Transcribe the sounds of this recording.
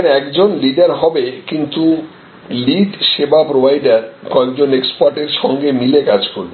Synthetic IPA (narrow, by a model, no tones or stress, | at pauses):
nɛkd͡ʑonliɖaɾɦɔbekint̪u | liɖʃebapɾobʱajɖaɾkɔekd͡ʑonekspaɾʈeɾʃɔŋɡemilekad͡ʑkoɾbe